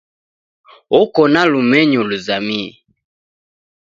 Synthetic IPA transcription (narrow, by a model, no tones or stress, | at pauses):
ɔkɔnalumɛɲɔluzamḭ